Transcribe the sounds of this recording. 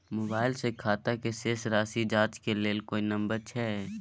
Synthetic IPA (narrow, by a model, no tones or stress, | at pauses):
moːbaːɪlsekʰaːt̪akeseːsɾaːsid͡ʒaːt͡ʃkeleːlkoːinɐ̃mbəɾt͡ʃʰɛː